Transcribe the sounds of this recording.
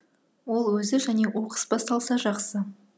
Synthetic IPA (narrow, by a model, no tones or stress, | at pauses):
wo̞lˠwɵzɪʒænewo̞qə̥sbɑst̪ɑlˠsɑʒɑqsə